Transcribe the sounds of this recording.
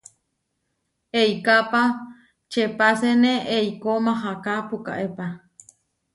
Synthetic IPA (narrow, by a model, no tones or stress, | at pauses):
eikapa | t͡ʃepaseneʔeikomãɦakapuka̰ʔepa